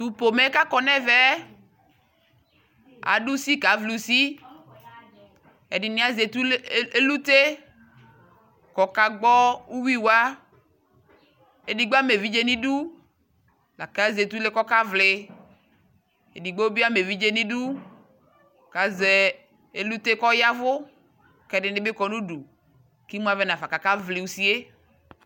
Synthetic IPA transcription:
t̪u˨po˨me˦ka˦kɔ˦nɛ̃˦vɛ˦ | a̰˨ɖu˦si˦ka˨˦vlu˨si˦ | e˨di˨nĩ˨˦a˨ze˨t̪u˦e˦lu˦t̪e˦ | kɔ˨ka˨ɡ͡bɔ˦wu˦wi˦wa˦ | e˦di˨ɡ͡be˦a˦me˨vi˦d͡ʒe˦nĩ˦ɖu˦ | la̰˨ka˦ze˨t̪u˦le˦kɔ˦ka˦vlɪ˨ | e˨di˨ɡ͡be˦wu˦bi˦a˦me˨vi˦d͡ʒe˦nĩ˦ɖu˦ | ka˨ze˨ | e˦lu˦t̪e˦kɔ˦ja˦vʊ˦ | kɛ˨˦˨dɪ˨nɪ˦be˦kɔ˨nũ˦ɖu˨ | ki˦mũ˦a˨˦vɛ˦nã˨fa˨ka˨ka˦vlɪ˨wu˦si˦e˦

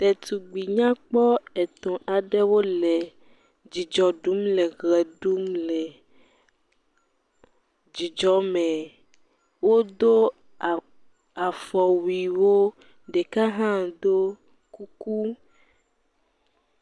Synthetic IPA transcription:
t̪ɛ˨t̪u˨ɡ͡bi˨ɲã˦k͡pɔ˦e˨t̪ɔ̃˨ʔa˨ɖɛ˦wo˦le˨ | d͡ʒi˨d͡ʒɔ˨ɖu˦mle˨ɣɛ˨ɖu˦mle˨ | d͡ʒi˨d͡ʒɔ˦mɛ̃˨ | wo˦d̪o˦˨ | a˨fɔ˨wi˨wo˦ | ɖe˨ka˦ɦã˦d̪o˦ | ku˦ku˦

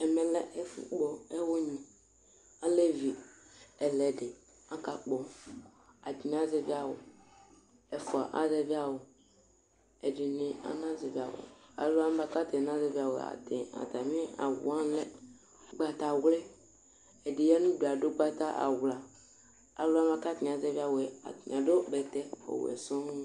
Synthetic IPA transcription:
ɛ˨mɛ̃˨lɛ˦ʔɛ˦fṵ˨k͡pɔ˦ɛ˦wo˦ɲĩ˨ | a˦le˦vi˨ɛ˨lɛ˨de˨ | ã˦ka˨k͡pɔ˨ | a˨d͡ʒi˨n˦ã˦ze˨vi˦a˨wo˨ | ɛ˨fu˨a̰˨ʔa̰˦zɛ˨vi˦a˨wo˨ | ɛ˨de˨nẽ˨a̰˦nã˦ze˨vi˨a̰˨wo̰˨a̰˨lo˦a˦m˦ba˦ka˦t̪e˨n˦ã˦ze˨vi˦a˨wo˨a̰˨t̪e˨a̰˨t̪a˨mĩ˦a̰˨wṵ˨ã˦lɛ˦ | ɡ͡ba˨t̪a˨wle˦ | e˨de˨jɛ˦nũ˦bo˨a˨do˦ɡ͡ba˦t̪a˦ʔa̰˨wla˨ | a̰˨lo˦a˦ba˦ka˦t̪i˨a˨zɛ˦vi˦a˨wo˨e˨a˨t̪i˨ɲ˨ã˨do˦bɛ˨t̪ɛ˦o̰˨w̰ɛ̰˨sɔ̃˦n˦

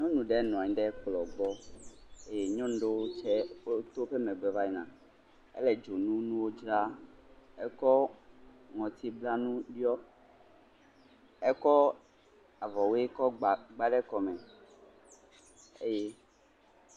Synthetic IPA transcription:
ɲɔ̃˦nũ˨ɖɛ˦nɔ̃˨a˨ɲĩ˦ɖɛ˦k͡plɔ˨ɡ͡bɔ˦ | e˦je˨ɲɔ̃˦nũ˦ɖe˦wo˦t͡ʃɛ˦o˦t̪o˦ɸe˦mɛ̃˨ɡ͡bɛ˨va˦i˨nã˨ | ɛ̰˦lɛ˨d͡ʒo˨nũ˦nũ˦wo˦d͡ʒɾa˦ | ɛ˦kɔ˦ | ŋɔ̃˨t̪i˦bla˦nũ˦ɖi˦ɔ˦ | ɛ˦kɔ˦ | a˨vɔ˨wo˦e˦kɔ˦ɡ͡bɡ͡ba˦ɖɛ˦kɔ˨mɛ̃˨ | e˦je˦

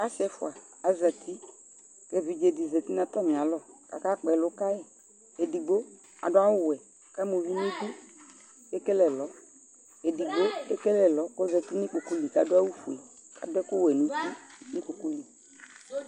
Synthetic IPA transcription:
a˦sɛ˨˦fʊ̰˨a˨ | a˨za˨t̪i˦ | ke˦vi˨d͡ʒe˨di˨zɛ˨t̪i˦nã˨t̪a˦mĩ˨ã˨lɔ˦˨ka̰˨ka˦k͡pɛ˨lo˦ka˦jɛ˦ | e˨di˨ɡ͡bo˦ | a̰˨ɖɔ˦a˦wo˦wɛ˨ | ka˦mo˨vi˦nũ˦ku˦ | e˦kɛ˦lɛ˨lɔ˨˦ | e˨di˨ɡ͡bo˦e˦kɛ˦lɛ˨lɔ˨˦ko˦zɛ˨t̪i˦ni˦k͡pu˨ku˦li˨ka˨do˦a˦wu˦fu˨i˨kʰa̰˨dɛ˦ko˦wɛ˨nũ˦ti˦nĩ˦ku˨ku˦li˨

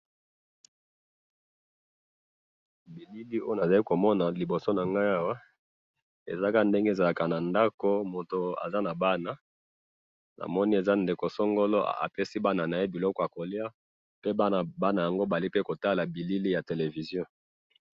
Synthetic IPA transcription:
bi˨li˦li˦o˦na˨za˨li˦ko˨mɔ˦na˨li˨bo˨so˦na˨ŋɡa˦ja˦wa˦ | ḛ˨za˦ka˦nde˦ŋɡe˦˨za˨la˨ka˨na˨nda˦ko˦mo˨to˨a̰˨za˦na˨ba˦na˨ | na̰˨mɔ˦ni˦e˨za˦nde˨ko˨sɔ˦ŋɡo˦lo˦a̰˨a̰˨pe˦si˦ba˦na˨na˨je˦bi˨lɔ˦kɔ˨a˨ko˨li˦a˦ | pe˦ba˦˨ba˦na˨ja˨ŋɡo˦ba˨li˦pe˦ko˨ta˦la˨bi˨li˦li˦ja˨te˨le˨vi˨zjɔ̃˦

